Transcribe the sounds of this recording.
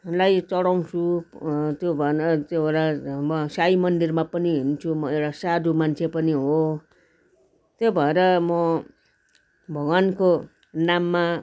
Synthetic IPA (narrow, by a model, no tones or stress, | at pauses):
lajt͡sʌɽaw̃t͡sʰu | t̪jobʱʌeɾʌt̪joʌɾamʌsajmʌnd̪irmapʌniɦint͡sʰumʌewʈasad̪umant͡sʰepʌniɦo | t̪jobʱʌeɾʌmʌ | bʱʌɡʌnko | namːa